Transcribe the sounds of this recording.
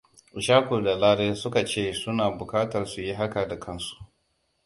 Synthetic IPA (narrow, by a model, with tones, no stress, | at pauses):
ʔʊ˨ʃaː˦kʷu˨da˨laː˦ɽeː˦sʊ˦ka˨t͡ʃeː˦˨sʊ˦naː˨bʊ˨kaː˦tɐ˨rsu˨ji˦ɦa˦ka˨da˨kʰɐ˦nsu̥˨ʔ